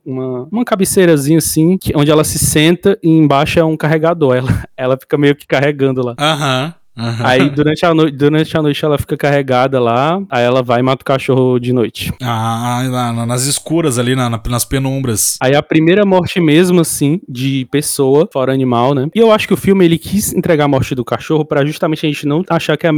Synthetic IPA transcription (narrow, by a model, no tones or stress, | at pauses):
ũmɐũmɐkabɪsejɾɐzĩɲɐasĩkɪʔõd͡ʒɪɛlɐsɪsẽnt̪ɐʔiẽbaʃʊaũkaɦeɡad̪oɾɛlɐɛlɐfi̥kɐmejʊkɪ̥kaɦeɡɐ̃nd̪ʊlaaɦɐ̃ | aɦɐ̃aid̪uɾɐ̃nt͡ʃɪanojt͡ʃd̪uɾɐ̃t͡ʃɪanojt͡ʃɪɛlɐfi̥kɐkaɦeɡad̪ɐlaaiɛlɐvajmat̪ɐʊ̥kaʃohʊd͡ʒɪnojt͡ʃɪ̥aanɐnɐnɐziskuɾɐzalinɐnɐnɐspenõbɾɐsaiɐpɾimejɾɐmɔɾt͡ʃɪmezmɐasĩd͡ʒɪpesoɐfɔɾɐɐnĩmawnɛɪewaʃʊ̥kɪʊfiwmɪelɪkʰisẽnt̪ɾɛɡamɔɾt͡ʃɪd̪ʊkaʃohʊpɾɐʒuʃt̪amẽnt͡ʃɪɐʒẽnt͡ʃɪnɐ̃w̃aʃaɾkɪɛɐ